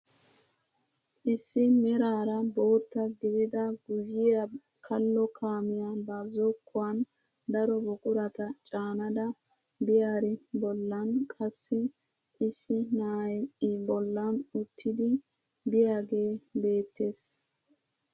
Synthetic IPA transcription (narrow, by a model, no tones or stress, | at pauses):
ʔɪsːɪnɛɾaːɾɐbo̞ːt̪ːɐɡɪwɪd̪ɐɡʊjɪjɐkʰɐlːɔkʰaːmɪjabaːzokʰːʊwɐn | d̪ɐɾɔbɔkʼʊɾɐt̪ɐt͡ʃʼaːnɐd̪ɐ | bɪjaːɾɪbɔlːɐnkʼɐsːɪ | ʔɪsːɪnaːjʔɪbɔlːɐnʊt̪ʰːɪd̪ɪ | bɪjaːɡe̞ːbe̞ːt̪ːe̞ːs